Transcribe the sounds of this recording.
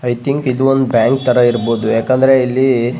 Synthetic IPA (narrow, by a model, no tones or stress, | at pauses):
ɐjt̪ʰiŋkid̪uond̪ubjaːŋk̚t̪ɐɾɐiɾboːd̪ujaːkɐnd̪ɐɾe̞ilːi